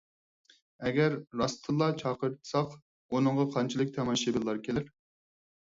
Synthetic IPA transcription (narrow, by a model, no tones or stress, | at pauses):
ɛɡʲɛɾːɑst̪ʰɨlˠːɑt͡ʃʰɑːqəɾɨt̪ʰɨ̥sɑq | unəɴʁɑqʰɑnt͡ʃʰilˠɨkʲt̪ʰɛmɑʃebɨlˠːɑɾkʲʰelɪɾ